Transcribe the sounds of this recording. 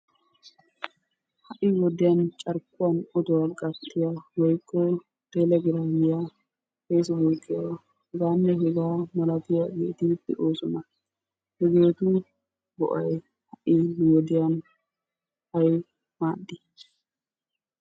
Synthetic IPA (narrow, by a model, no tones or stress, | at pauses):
hɐʔɪwɔd̪ɪjɐnt͡ʃʼɐɾkʼːʊwɐnɔd̪ʊwɐkʼɐt̪ʼːɪjawɔjkʼːɔ | d̪̥ɛlɐɡɪɾafɪja | heːsɐboːkʼːɪja | hɛɡaːnːɛɦɛɡaːmɐlɐt̪ɪjaɡeːt̪id̪ɪʔoːsʊmɐ | hɛɡeːt̪uː | bɔ̰ʔɐj | hɐʔɪwɔd̪ɪjan | hɐj | maːd̪ːɪ